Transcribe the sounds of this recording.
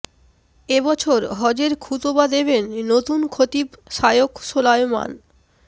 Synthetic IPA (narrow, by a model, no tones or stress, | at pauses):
ebɔt͡ɕʰoɾɦɔd͡ʑeɾkʰut̪obad̪eβenːot̪unkʰot̪ipʃajokʃolajma̰n